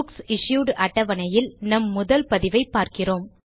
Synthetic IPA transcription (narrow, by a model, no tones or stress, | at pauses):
ksɪʂjuːɽɐʈːɐʋɐnɐjɪlnɐmːʊðɐlpɐðɪʋɐɪpːaːɾkɪroːm